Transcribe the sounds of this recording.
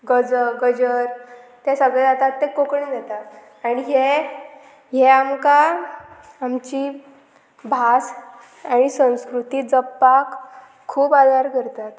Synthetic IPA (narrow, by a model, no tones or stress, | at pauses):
ɡəd͡zəɡəd͡ʑəɾ | t̪esəɡɭed͡zat̪at̪ːekokɳid̪ɛt̪a | aɽ̃iɦe | ɦeamkaː | mt͡ɕi | bʱas | aɽ̃isə̃w̃skɾut̪iːd͡zəpːakʰː | uːbad̪ʱaɾkəɾt̪at̪